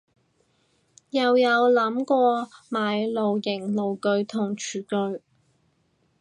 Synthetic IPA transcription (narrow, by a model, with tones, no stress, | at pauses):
jɐ˨wjɐ˨˧wlɐ˨˥mkʷɔː˧maː˨jlo˨wjɪ˨˩ŋlo˨˩wkɵ˨˧ɥt̪ʰʊ˨˩ŋt͡ʃʰyː˨˩kɵ˨˧ɥ